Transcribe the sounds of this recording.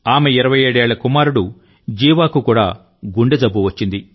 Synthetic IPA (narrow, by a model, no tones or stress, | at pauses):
aːmeiɾɐʋɐjeːɽeːɭːɐkumaːɾuɽu | d͡ʒiːʋaːkukuːɽa̰ː | ɡuɳɖed͡ʒ̪ɐbːuʋɐt͡ʃːind̪i